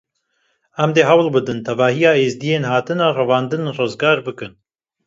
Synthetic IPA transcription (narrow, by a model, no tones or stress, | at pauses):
ɛmd̪eːɦɛwlbɨd̪ɨnt̪ʰɛvɑːhijɑːeːzd̪ijeːnhɑːt̪ɨnɑːrɛvɑːnd̪ɨnrɨzɡɑːɾbɨkɨn